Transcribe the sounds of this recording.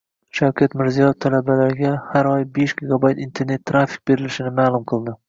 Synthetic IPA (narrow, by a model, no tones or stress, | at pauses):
ʃawkʲʰat̪mɪɾzijɒjft̪ʰalabalaɾɪɡʲahaɾɒjbe̞ʃɡ̥ʲɪɡabajt̪int̪ʰe̞ɾne̞t̪ʰːɾafi̥q̚be̞ɾɪlɪʃɪnɪmaːlˠʊmqʰɨlˠd̪ɪ